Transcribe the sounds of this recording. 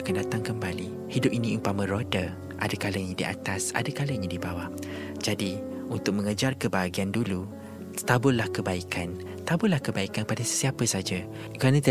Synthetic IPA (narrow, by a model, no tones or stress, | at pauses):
akandat̪aŋkəmbali | hidʊp̚inĩuŋpamə̃ɾoda | ʔa̰dakaləɲĩdiʔa̰t̪asa̰dakaləiɲĩdibawa | d͡ʒadiunt̪ʊk̚mə̃ŋəd͡ʒarkəbaɦaɡiandulu | t̪abʊllahkəbaikʰan | t̪abʊlahkəbaikanpadasə̥siapəsad͡ʒa | kəɾanət̪